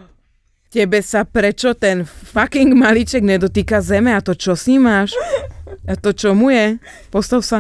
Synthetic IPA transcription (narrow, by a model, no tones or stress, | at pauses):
cɛbɛsapɾɛt͡ʃɔt̪ɛnfakiŋɡmalit͡ʃɛɡɲɛd̪ɔt̪iːkazɛmɛat̪ɔt͡ʃɔsimaʃ | at̪ɔt͡ʃɔmujɛ | pɔst̪aʊsa